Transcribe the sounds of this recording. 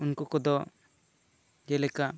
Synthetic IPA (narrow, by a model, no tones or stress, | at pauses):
unkɔkɔd̪ɔʔ | d͡ʒɛlɛkaʔ